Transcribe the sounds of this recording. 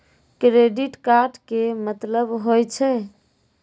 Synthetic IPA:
kɾeɖiʈkaɾɖkemət̪ləbɦojt͡ʃʰɛ

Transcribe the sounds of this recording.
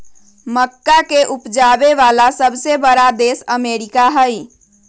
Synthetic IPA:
məkːakeʔupd͡ʒabeʋalasəbʱsebəɾad̪esəmeɾikaɦəj

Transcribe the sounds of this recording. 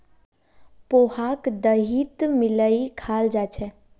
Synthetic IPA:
pohakd̪əɦit̪miləikʰald͡ʒat͡ʃʰɛ

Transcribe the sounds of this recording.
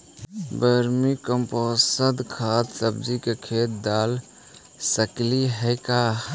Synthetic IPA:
bəɾmikəmposəd̪kʰat̪səbd͡ʒikekʰet̪̚d̪al | səkliɦəɪka

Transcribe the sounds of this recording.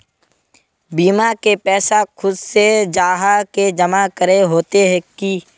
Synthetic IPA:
biːmakepɛːsakʰʊd̪sed͡ʒaːɦaked͡ʒəmakəɾeɦoːt̪eɦɛki

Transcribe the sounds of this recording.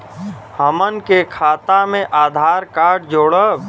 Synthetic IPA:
həmənkekʰaːt̪amẽʔaːd̪ʱaːɾkaːɾɖd͡ʒoːɽə

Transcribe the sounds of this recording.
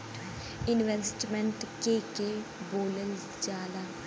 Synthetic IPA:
ɪnʋɛsʈmɛ̃ɳʈkekeboːləl | d͡ʒaːlaː

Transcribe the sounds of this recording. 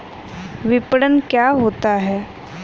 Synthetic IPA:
ʋipəɽənkjaɦot̪aɦɛː

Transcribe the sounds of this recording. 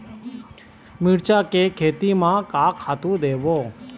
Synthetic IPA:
mɪɽt͡ʃaːkeːkʰeːt̪iːmãːkaːkʰaːt̪ũːd̪eːʋoː

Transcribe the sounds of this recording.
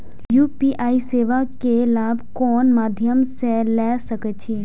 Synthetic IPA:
juːpiːʔaːiseːʋakelaːbʱkɔːnmaːd̪ʱjəmselɛːsəkət͡ʃʰiː

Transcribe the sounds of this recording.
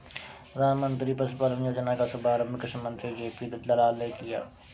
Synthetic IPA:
ɾaːmənt̪ɾiːpəspaːlənjoːd͡ʒənaːkasʊbaːɾəmɪkɪʃəmə̃nt̪ɾid͡ʒeːpiːd̪ət̪lɐlaːlneːkɪja̰ː

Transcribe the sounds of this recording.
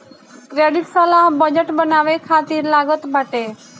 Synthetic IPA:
kɾeɖɪʈsəlaɦbəd͡ʒəʈbənaːʋekʰaːt̪iːɾlaɡət̪baʈe

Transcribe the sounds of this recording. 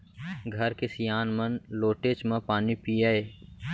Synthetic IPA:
ɡʱɐɾkesijaːnmənloːʈeːt͡ʃmẽpaːnipiaeː

